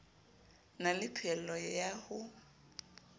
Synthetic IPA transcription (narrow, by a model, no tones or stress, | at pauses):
nalɪpʰɛl̩lɔjahʊ